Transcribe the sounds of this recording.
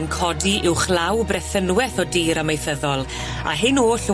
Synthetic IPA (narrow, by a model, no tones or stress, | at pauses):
nkʰɔdiʔɪwχlawbrɛθənwɛθɔdiːɾamejθəðɔlˠ | a̰ɦɪnoːɬ